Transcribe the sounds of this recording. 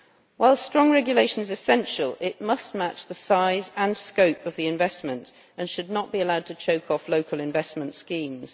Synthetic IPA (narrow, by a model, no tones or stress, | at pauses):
waɪlˠstɹ̥ɒ̃ŋɹɛɡjəleɪʃə̃nɪzɪsɛ̃nʃəlˠɪʔmʌstmat͡ʃðəsaɪzə̃nskəʊpəvðiɪ̃ɱvɛsmə̃nt | ə̃nʃədⁿnəʔb̥iəlaʊd̚tʰət͡ʃʰəʊkʰɒfloʊkʰəlˠɪ̃ɱvɛsmə̃ntskĩːmz̥